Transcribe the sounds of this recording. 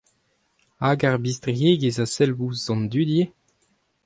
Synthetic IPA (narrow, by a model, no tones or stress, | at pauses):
aɡaʁbist̪ʁjeːɡezasɛlvuzːɑ̃nd̪yd̪je